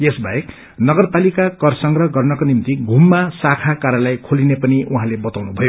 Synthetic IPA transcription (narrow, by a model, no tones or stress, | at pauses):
jesbajek | nʌɡʌrpalikakʌrsʌŋɡrʌɦɡʌrnʌkonimt̪iɡʱumːasakʰakaɾjʌlajkʰolinepʌniʔuɦãlebʌt̪awnubʱʌjo